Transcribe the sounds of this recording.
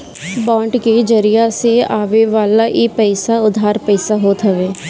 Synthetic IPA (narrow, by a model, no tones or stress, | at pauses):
bãːɳʈked͡ʒəɾɪjaseaːʋeʋaːlaʔipɛɪsaʊd̪ʱaːɾpɛɪsaɦoːt̪ɦəʋeː